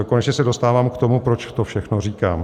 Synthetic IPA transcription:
ko̞nɛt͡ʃɲɛsɛdo̞st̪aːvaːmkt̪o̞mupɾot͡ʃt̪ofʃɛxnoriːka̰ːm

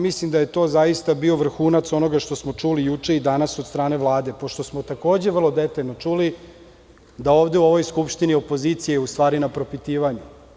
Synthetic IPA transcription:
mislimd̪aje̞t̪o̞ːzajist̪abio̞ʋr̩xuːnat̪so̞no̞ɡaʃt̪o̞smo̞t͡ʂulijut͡ʂe̞id̪anasod̪st̪ɾaːne̞ʋlˠaːd̪e̞po̞ʃt̪o̞smo̞t̪ako̞ːd͡ʑe̞ʋər̩lˠo̞d̪et̪aʎno̞t͡ʃuli | d̪aoːʋd̪e̞uo̞ʋo̞jskupʃt̪inio̞po̞ziːt̪sijeust̪ʋaːɾinapɾo̞pit̪iːʋaɲu

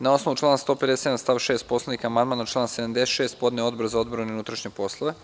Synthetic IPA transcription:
nao̞snoʋut͡ʃlˠaːnast̪o̞ːpe̞d̪eset̪ʲeamst̪aːʋʃe̞ːst̪po̞slˠenikaːmand̪maːnat͡ʃlˠaːnsed̪amd̪eset̪ʃeːst̪̚po̞d̪neo̞d̪boɾazao̞d̪boɾoneunut̪ɾaʃɲepo̞slˠoʋe

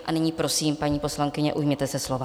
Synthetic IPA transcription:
ʔanɪɲiːpɾo̞siːmpaɲiːpo̞slaŋkɪɲɛʔujmɲɛt̪ɛsɛslova

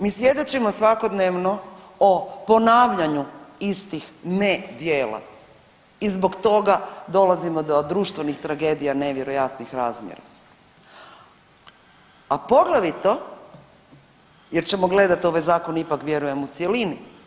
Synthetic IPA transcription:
miːsʋje̞d̪o̞t͡ɕimo̞sʋako̞d̪neʋno̞ | opo̞naːʋʎaɲuist̪ixned̪jeːla̰ | izbo̞kt̪o̞ɡad̪o̞lazimo̞d̪o̞d̪ɾuːʃt̪ʋe̞nixt̪ɾaɡe̞ːd̪ijane̞ʋje̞ɾo̞jat̪nixɾaːzmjḛɾa̰ | apo̞ɡlaʋit̪o̞ | je̞ɾt͡ɕe̞mo̞ɡle̞d̪at̪o̞ʋajzaːko̞nipakʋje̞ɾuje̞mut̪sje̞lini

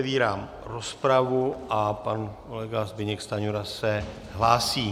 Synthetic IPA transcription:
viːɾaːm | ɾospɾavuʔapankolɛɡazbɪɲɛkst̪aɲuɾasɛ | ɦlaːsiː

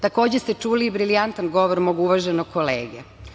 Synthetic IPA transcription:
t̪ako̞ːd͡ʑest̪e̞t͡ʃuːliːbɾilijant̪anɡo̞ʋoɾmo̞ːɡuʋaʒenoɡ̚kʰolḛːɡe

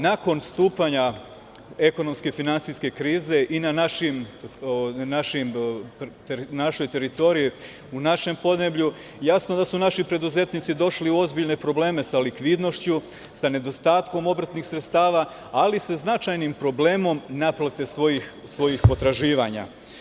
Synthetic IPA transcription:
nako̞nst̪uːpaɲa | e̞ko̞no̞mske̞finansiske̞kɾiːze̞ʔinanaʃim | naʃimt̪naʃo̞jt̪e̞ɾit̪o̞ɾiji | unaʃe̞mpo̞d̪ne̞bʎu | jasnod̪asunaʃipɾe̞d̪uze̞t̪nit̪sid̪o̞ʃliuo̞zbiʎne̞pɾo̞ble̞ːme̞salikʋid̪no̞ʃt͡ɕu | sane̞d̪o̞st̪aːt̪ko̞mo̞bɾat̪nixsɾet̪st̪aːʋa | aliseznat͡ʃajnimpɾo̞ble̞ːmo̞mnaplˠat̪e̞sʋo̞jixsʋo̞jixpo̞t̪ɾaʒiːʋaɲa̰

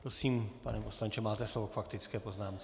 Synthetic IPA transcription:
pɾosiːmpa̰nɛposlaɲt͡ʃɛmaːt̪ɛslovokfakt̪ɪt͡skɛːpoznaːmt͡s

